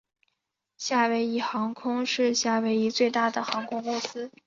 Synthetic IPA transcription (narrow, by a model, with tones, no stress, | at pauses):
ɕja˥˩we˧˥ɪi˨˩xɑ˧˥ŋkʰʊ˥ŋʂɻ̩˥˧ɕja˥˩we˧˥ɪi˧˥t͡swe˥˧ɪt̪a˥˩d̪ə˩xɑ˧˥ŋkʰʊ˥ŋkʊ˥ŋsɹ̩˥